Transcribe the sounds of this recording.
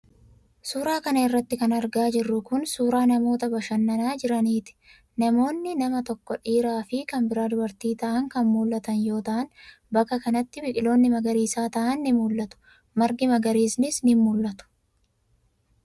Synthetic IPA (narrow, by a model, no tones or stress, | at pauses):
suːɾaːkɐnɐɪrːɐt̪ːɪkɐnɐɾɡaːd͡ʒɪrːʊkʊnsuːɾaːnɐmo̞ːt̪ɐbɐʃɐnːɐnaːd͡ʒɪɾɐniːt̪ɪ̥ | nɐmo̞ːnːɪnɐmɐt̪ɔkːɔᶑiːɾaːfɪkɐmbɪɾaːd̪ʊbɐɾt̪iːt̪ɐʔɐŋkɐnmuːlːɐt̪ɐnjo̞ːt̪ɐʔɐn | bɐkːɐkɐnɐt̪ːɪbɪkʼɪlo̞ːnːɪmɐɡɐɾiːsaːt̪ɐʔɐnːɪmuːlːɐt̪ʊ̥ | mɐɾɡɪmɐɡɐɾiːsnɪsnɪmːʊlːɐt̪ʊ̥